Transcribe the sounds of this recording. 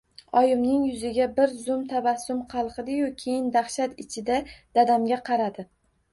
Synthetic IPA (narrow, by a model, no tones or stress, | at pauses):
ɒjɪmnɪŋjʊzɪɡʲabɪɾzʊmt̪ʰabasːʊmqʰɑlˠqɨd̪ɪjʊkʲʰe̞jɪnd̪aχʃat̪ɪt͡ʃʰɪd̪ad̪̥ad̪amɡʲaqʰɑɾad̪ɪ